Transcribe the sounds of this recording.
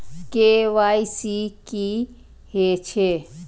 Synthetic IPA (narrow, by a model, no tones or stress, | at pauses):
keʋaisiki | het͡ʃʰe